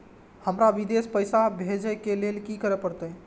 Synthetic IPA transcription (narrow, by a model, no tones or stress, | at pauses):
həmɾaʋid̪espəjsabʱed͡ʒəkelelkikəɾɛpəɾt̪ə